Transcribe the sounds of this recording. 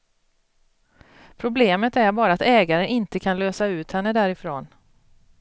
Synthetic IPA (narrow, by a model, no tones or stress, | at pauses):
pʰɾʊbleːmət̪æɾbɑːɾaːt̪ɛːɡaɾənɪnt̪əkʰanløːsaʉ̟ːt̪hɛnːəd̪æːɾɪfɾoːn